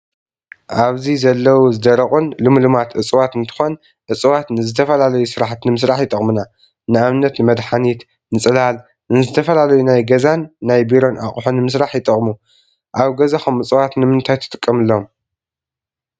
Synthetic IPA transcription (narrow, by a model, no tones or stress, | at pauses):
ʔaβzizɐlːɐwuzɨd̪ɐɾɐχʼunlɨmlɨmat̪ʔɨt͡sʼwat̪ɨnt̪ʰɨ̥xon | ʔɨt͡sʼɨwat̪nɨzɨt̪ʰɐfɐlalɐjusɨɾaħt̪nɨmɨsɾaħjɪt̪ʼɐχʼmuna | nɨaβnɐt̪nɨmɐd̪ħanit̪ | nɨt͡sʼɨlal | nɨzɨt̪ʰɐfɐlalɐjunajɡɐzanːajbiɾo̞nʔaχʼħonɨmɨsɾaħjɪt̪ʼɐχʼmu | ʔaβɡɐzaxomɨt͡sʼɨwat̪nɨmɨnt̪ʰajt̪ʰɨ̥t̪ʼɨkʼːɐmɨlːom